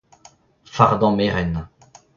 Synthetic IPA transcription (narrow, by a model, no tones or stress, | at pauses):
faʁd̪ɑ̃meʁɛn